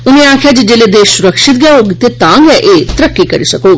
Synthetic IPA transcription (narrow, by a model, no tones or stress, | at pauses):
ʊnẽãːkʰjad͡ʒid͡ʒeːled̪eːʃsʊɾəkʃɪt̪ɡjaɦoɡt̪et̪ãːŋɡjaʔeːt̪ɾəkːikɐɾisɐkoː